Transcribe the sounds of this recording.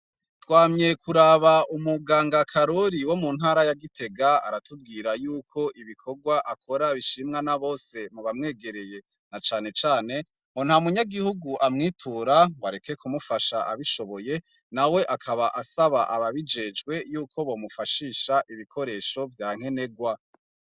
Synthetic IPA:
twaːmɲe̞kʰuɾaβaumuɡaːŋɡakʰaɾo̞ɾiwo̞munhaːɾajaɡitʰe̞ɡaa̰ɾatub̚ɡiːɾajuːkʰo̞ʔiβikʰo̞ɡwaʔakʰo̞ɾaβiʃimŋanaβo̞ːse̞muβamŋe̞ːɡe̞ɾe̞je̞ | nat͡ʃaːnet͡ʃaːne̞ | ŋon̥hamuɲaɡihuɡuʔamŋiːtʰuɾawaɾeke̞kʰumufaʃaʔaβiʃo̞βoje̞ | nawe̞ʔakʰaβaʔasaβaʔaβaβid͡ʒe̞d͡ʒɡwe̞juːkʰo̞βo̞ːmufaʃiːʃaʔiβikʰo̞ɾe̞ːʃo̞vjaːŋ̥e̞ne̞ɡwa

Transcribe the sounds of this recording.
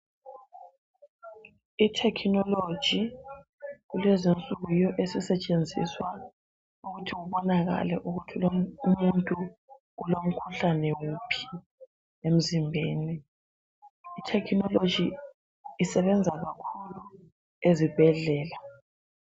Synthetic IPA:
itʰɛkʰnɔlo̥ʒ̥ʱi | ɣulɛzint͡sʼuɣujɔʔesisɛt͡ʃʼend͡zʱḭswa | uɣutʰiɣuβɔnaɣa̰lɛʔuɣutʰiloumuntʼu | ulom̩kʰuɬanɛwupʰi̥ | em̩zimbʱeːni | tʰɛkʰinɔlo̥d͡ʒ̥ʱiː | sɛβɛnd͡zʱaɣakʰulu | ezib̥ʱɛɮɛːla

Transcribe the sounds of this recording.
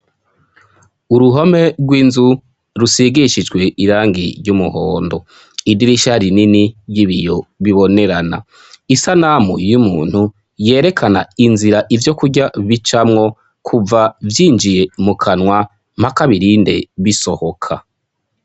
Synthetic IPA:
uɾuɦome̞ɡɡwiːnzu | ɾusiɡiʃid͡ʒɡwe̞ʔiɾaːŋɡḭɾɟumuhoːndo̞ | idiɾiʃaɾininijiβijo̞βiβo̞ne̞ɾana̰ | isanamujumuːn̥hu | je̞ːɾe̞kʰana̰inziɾaʔivjo̞kuɟaβit͡ʃamŋo̞ | kʰuvavjiːnd͡ʒije̞mukʰanwa | m̥hakaβiɾiːnde̞̰βiso̞ho̞kʰa

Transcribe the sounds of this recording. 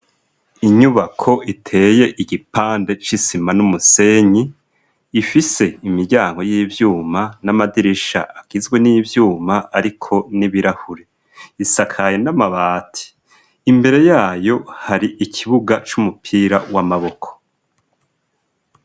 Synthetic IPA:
iɲuβakʰo̞itʰe̞ːje̞ʔiɡipaːnde̞t͡ʃisimanumuse̞ɲiː | fise̞imiɾɟaːŋɡo̞jiːvjuːmanamadiɾiʃa̰ʔaɡ̥izɡwe̞nivjuːmaːɾikʰo̞niβiɾahuɾe | isakʰaje̞namaβaːtʰi̥ː | mbe̞ɾe̞jaːjo̞haɾiʔikʰiβuɡat͡ʃumupʰiːɾa̰wamaβo̞kʰo̥

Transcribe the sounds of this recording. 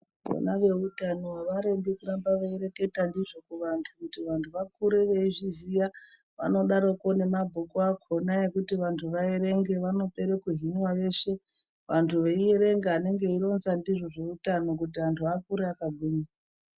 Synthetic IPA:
ʋo̰naʋe̞utano̞waʋaɾembikurambaʋaiɾe̞ke̞tandiʐo̞kuʋantʰukutiʋantʰuʋakuɾeʋe̞iʐizija | ʋa̰no̞ɗaɾoko̞ne̞mabʱokuakʰo̞naekutiʋantʰuʋaeɾe̞ŋɡe̞ʋano̞pe̞ɾekuɦinwaʋe̞ʃe̞ | ʋantʰuʋeieɾe̞ŋɡeane̞ŋɡe̞iɾo̞nzandiʐo̞ʐe̞utano̞k̬ut̬iantʰuakuɾeakaɡʱuːɲa

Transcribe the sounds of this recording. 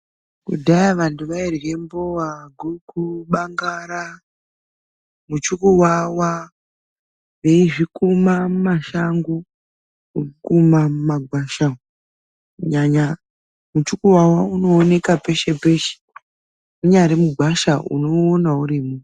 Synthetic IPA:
kudʱajaʋantuʋairre̞mbowaɡʱuɡʱuɓaŋɡaɾa | mut͡ʃukuwawa | ʋe̞iʐikumamumaʃaŋɡu | uukumamumaɡʱwaʃa | uɲaɲa | mut͡ʃukuwawauno̞ːne̞kape̞ʃe̞pe̞ʃe̥ | kuɲaɾemuɡʱwaʃaṵno̞ːnauɾimu

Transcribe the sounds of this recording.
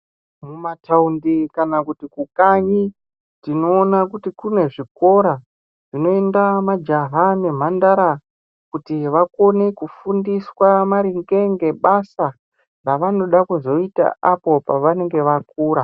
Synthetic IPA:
mumataundikanakutikukaɲi | tino̞ːnakutikune̞ʐiko̞ɾa | ʐ̥ino̞e̞ndamad͡ʒaɦane̞m̤andaɾa | kutiʋako̞ne̞kufundiswamaɾiŋɡeŋɡe̞ɓasa | raʋano̞ɗakuzo̞ita̰ʔapo̞paʋane̞ŋɡe̞ʋakuːɾa

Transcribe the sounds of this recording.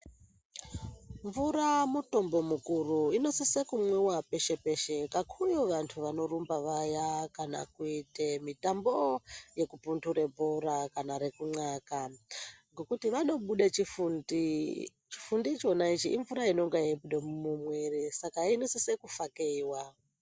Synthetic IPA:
ɱvuɾamuto̞mbo̞mukuruino̞sesekumwewape̞ʃe̞pe̞ʃe̞kakʰujoʋantʰuʋano̞rumbaʋajakana̰kuitemitamboje̞kupuntʰuɾe̞bʱoɾakanaɾe̞kuŋ͡ǀakaŋɡo̞kutiʋano̞ɓuɗet͡ʃifuni | t͡ʃi̥fundit͡ʃo̞nait͡ʃiʔiɱvuɾaino̞ŋɡeaiɓuɗemumumwe̞resakainosesekufakeiwa

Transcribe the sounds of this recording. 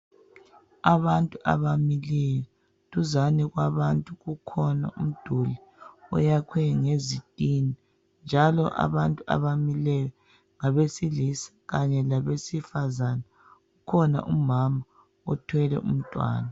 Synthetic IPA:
aβantʼuʔa̰βamilɛjɔ | tʼuzaniɣwaβantʼuɣukʰɔna̰ʔṵm̩d̥ʱuli | ɔ̰jakʰwɛŋezitʼini | nd͡ʒʱalɔʔa̰βantʼua̰βamilɛjɔ | ŋaβesilisḁɣaɲɛlaβesifazana | ɣukʰɔna̰ʔumama | ɔtʰwɛlɛ̰ʔṵm̩tʼwa̰ːna

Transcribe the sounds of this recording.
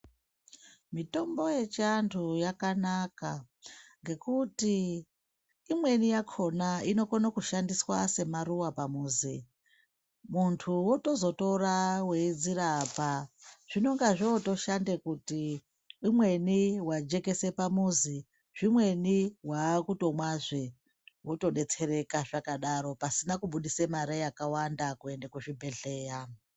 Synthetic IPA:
mito̞mbo̞je̞t͡ʃantʰujakanaka | ŋɡe̞kuti | mwe̞nijakʰo̞naino̞konakuʃandiswase̞maruwapamuːzḭ | muntʰuwoto̞zo̞to̞rawe̞id͡ziɾapaʐ̥ino̞ŋɡaʐoto̞ʃandekuti | umwe̞niwad͡ʒe̞ke̞se̞pamuzi | ʐ̥imwe̞niwakuto̞mwaʐe | woto̞ɗe̞t͡se̞re̞kaʐ̥akaɗaɾo̞pasinakuɓuɗisemaɾejakawandakue̞ndekuʐibʱe̞ɮe̞ːja

